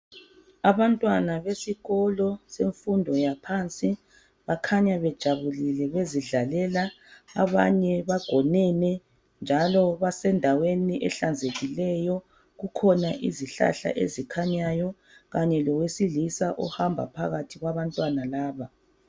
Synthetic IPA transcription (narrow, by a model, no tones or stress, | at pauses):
aβantʼwanaβesiɣɔlɔseɱfundʱɔjapʰant͡sʼi | βakʰaɲaβɛd̥ʒ̥ʱaβulilɛβeziɮalɛlaː | βa̰ɲɛβaɡ̥ʱɔnɛnɛ | nd͡ʒʱalɔβasɛndʱaweniʔɛ̰ɬand͡zʱeɣilɛjɔ | ɣukʰɔnaʔḭziɬa̰ɬa̰ʔḛzikʰaɲajɔ | ɣaɲɛlɔwesilisaʔɔhambʱa̰pʰaɣatʰiɣwaβantʼwanalaːβa